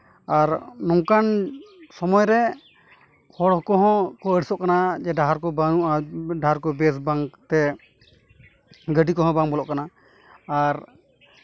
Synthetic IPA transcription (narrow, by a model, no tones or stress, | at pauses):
aɾnɔŋkansɔmɔjɾɛ | hɔɽɔkɔɦɔ̃kɔəɖisɔʔkanad͡ʒɛɖaɦaɾkɔbauʔaɖaɦaɾkɔbɛsbaŋt̪ɛ | ɡəɖikɔɦɔ̃baŋbɔlɔ̰ʔkanaː | ɾ